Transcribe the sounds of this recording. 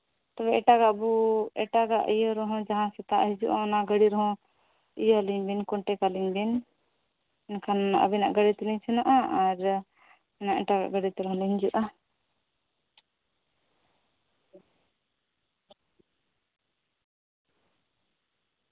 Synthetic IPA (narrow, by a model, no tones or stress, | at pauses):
t̪ɔbɛʔɛʈaɡaʔbuɛʈaɡaʔijəɾɔɦɔ̃d͡ʒaɦãsɛt̪aʔɦid͡ʒuʔanaɡəɽiɾɔɦɔ̃ | ijaliɲbinkɔɳʈɛkaliɲbin | ɛnkʰanʔa̰binaʔɡəɽit̪iliɲt͡ʃʰunaʔaʔaɾ | naʔɛʈaɡa̰ʔɡəɖit̪ɛɾɔɦɔ̃liɦɲd͡ʒuʔa